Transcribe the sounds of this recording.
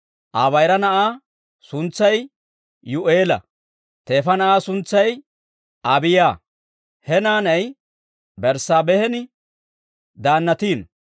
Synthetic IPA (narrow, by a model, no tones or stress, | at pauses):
ʔaːβɐjɾɐnɐʔaː | sʊnt͡sːɐj | jʊʔeːlɐ̰ | t̪e̞ːfɐnɐʔaːsʊnt͡sːɐj | ʔɐbɪjaː | hɛnaːnɐj | bɛɾsaːbɛhɛnɪ | d̪aːnːɐt̪iːn